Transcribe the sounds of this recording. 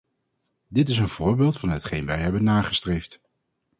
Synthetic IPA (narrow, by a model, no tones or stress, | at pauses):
dɪtɪsənv̥ʊːɹbɪːlˠtfɑnɦətχejnʋɛjɦɛbənːaːχəstrejft